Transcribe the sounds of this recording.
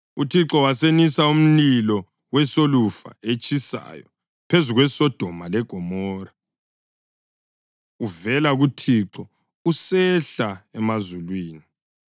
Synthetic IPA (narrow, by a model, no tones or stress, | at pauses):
utʰiǁɔwasenisaum̩lilɔ | wɛsolufa̰et͡ʃʰʼisa̰jɔ̰ | pʰezuɣwɛsɔd̥ʱɔmalɛɡ̥ʱɔmɔːra | uvɛlaɣutʰiǁɔ | usɛɬaɛmazulwiːni